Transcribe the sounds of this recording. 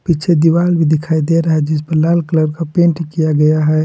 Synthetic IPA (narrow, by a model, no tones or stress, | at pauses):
pit͡ʃʰed̪iwaːlbʱid̪ɪkʰaːid̪eɾɐɦɛd͡ʒɪs̬pəɾlaːlkləɾkapẽːɳʈkijaɡɐjaɦɛ